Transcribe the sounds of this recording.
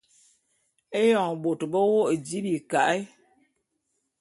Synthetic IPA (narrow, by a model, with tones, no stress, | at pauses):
e˦jɔ˨ŋ˨bo˨tbə˦wo˦ʔdi˦bi˨ka˨ʔi˦